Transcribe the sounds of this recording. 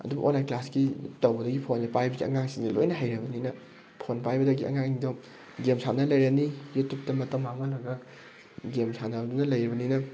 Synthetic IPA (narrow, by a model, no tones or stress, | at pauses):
ɐ̰dubʔo̰nlajnklaskitɐwbɐdɐɡipʰonːipajbɐɡiɐ̰ŋaŋsiŋdilojnɐɦajɾɐbɐninɐ | pʰonpajbɐdɐɡiɐ̰ŋaŋido | ɡemsʰanɐlɐjɾɐnijetup̚tɐmɐtɐwmːaŋɐlaɡɐ | ɡemsʰanɐbdunɐlɐjɾɐbɐninɐ